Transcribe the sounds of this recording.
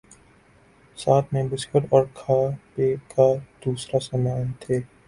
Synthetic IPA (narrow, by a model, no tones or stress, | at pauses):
saːt̪ʰmẽbɪskɪʈɔːɾkʰaːpeːkʰad̪̥uːsɾasɐmaːnt̪ʰeː